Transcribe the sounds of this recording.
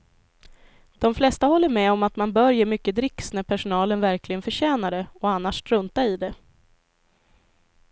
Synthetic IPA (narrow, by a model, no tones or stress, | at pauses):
d̪̥ɔmflɛst̪ahɔlːəɾmɛɔmat̪manbœɾjəmʏkːəd̪ɾɪksnæɾpʰæʂʊnɑːlənvæɾklɪɡənfœɕɛːnaɖ̪ɛɔanːaʂt̪ɾɵnt̪aɾɪd̪ɛ